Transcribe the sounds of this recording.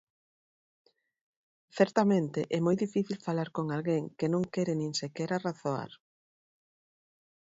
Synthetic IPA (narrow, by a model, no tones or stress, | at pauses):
θɛɾt̪amẽnt̪eʔɛmojðifiθilfalaɾkoŋalɣeŋkenõŋkɛɾɪnĩŋsekɛɾaraθoa̰ɾ